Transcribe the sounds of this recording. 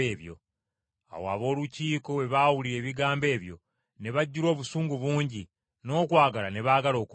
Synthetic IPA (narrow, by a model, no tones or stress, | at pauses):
eːβjo̞̰ | a̰woa̰βo̞ːluciːko̞we̞βaːwuliɾe̞ːβiɡaːmbe̞ːβjo̞̰ | ne̞βaɟːuɾo̞ːβusuːŋɡuβuːɲɟi | no̞ːkwaːɡalane̞βaːɡalo̞ːk